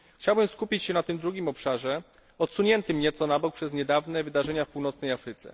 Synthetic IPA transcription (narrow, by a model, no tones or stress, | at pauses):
xt͡ɕawbɘmskupʲit͡ɕɕɛnat̪ɘmd̪ɾuɡʲimɔpʂaʐɛ | ɔt̪suɲɛnt̪ɘmɲɛt̪sɔnabɔk̚pʂɛzɲɛd̪avnɛvɘd̪aʐɛɲafpuwnɔt̪snɛjafɾɘt̪sɛ̰